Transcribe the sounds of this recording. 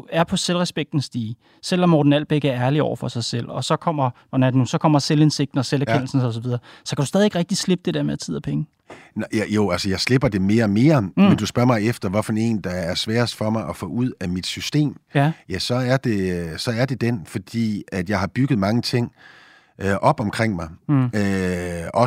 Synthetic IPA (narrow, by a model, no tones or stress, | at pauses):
æɐpʰɒ̽selʁɛsb̥eɡ̥̚d̥n̩sd̥iː | sel̰ɒ̽mːɒːd̥n̩æl̰b̥eɡ̥əæɐæɐliɒ̰ʊ̰ɐfɒ̽sɑ̈ɪsel̰ɒ̽sɒ̽kʰɒ̽m̰ɐ | ɒnædnusɒ̽kʰɒ̽m̰ɐselense̝ɡ̥̚d̥n̩ɒ̽selæɐken̰l̩sn̩sɒ̽s̬ɒ̽ʋiðˠɐsɒ̽kʰæd̥ɾu̥sdɛːðˠie̝ɡ̥ʁɛɡ̥̚d̥isle̝b̥̚d̥e̝d̥eɐmeðˠæt͡sʰið̰ˠɐpʰeŋə | jæjo̝ælsəjɑ̈ɪsle̝b̥ɐd̥e̝me̝ːɐme̝ːɐmend̥usb̥ɶɐ̰mɑ̈ɪefd̥ɐʋɒfæne̝̰ːnd̥ɑæɐsʋɛːɐsd̥fɒ̽mɑ̈ɪʔɒfɔ̰ːuð̞̰ˠæmid̥sysd̥e̝̰ːmjæsɒ̽æɐd̥e̝sɒ̽æɐd̥e̝d̥enfɒ̽d̥ḭːæd̥jɑ̈ɪhɑ̈b̥yɡ̥əð̞̩ˠmɑ̈ŋət͡sʰe̝ŋ̰ | øʔɒ̽b̥ɒmkʰʁeŋ̰mɑ̈ɪøɒ̽